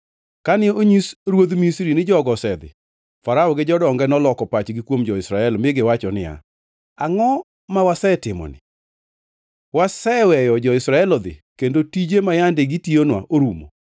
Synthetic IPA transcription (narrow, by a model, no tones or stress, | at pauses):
kanɪoɲisɾwod̪misɾinɪd͡ʒɔɡɔsɛd̪ɪ̰ | faɾaɔɡɪd͡ʒɔdɔŋɡɛnɔlɔkɔpat͡ʃɡikwomd͡ʒɔɪsɾaɛlmɪɡɪwat͡ʃɔnɪja̰ | aŋɔ | mawasɛtɪmɔ̰nɪ̰ | wasɛwɛjɔd͡ʒɔɪsɾaɛlɔd̪ɪ̰kendotid͡ʒemajandɪɡitionwa̰ʔoɾumo̰